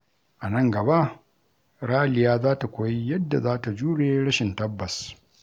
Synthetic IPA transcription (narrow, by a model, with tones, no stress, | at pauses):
ʔa˨nɐ˦ŋɡɐ˨ba˦ʔ | ɽaː˦˨lɪ˨jaː˦zaː˦ta˨kʷoː˨˦ji˦jɐ˦dːa̰˨zaː˦ta˨d͡ʒuː˦ɽeː˦ɽɐ˦ʃɪ˨ntɐ˦bːɐ˨s